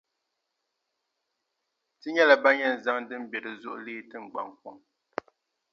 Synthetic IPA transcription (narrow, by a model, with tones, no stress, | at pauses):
tɨ˦ɲɛ˦la˨ba˦ɲɛ˦˨n̩˨za˦ŋ˦dɨ˦m̩˦bjɛ˨ɾɨ˨zu˦ʔliː˦tɨ˦ŋ͡m̩˨ɡ͡ba̰˨ŋ˨kɔ˦˨ŋ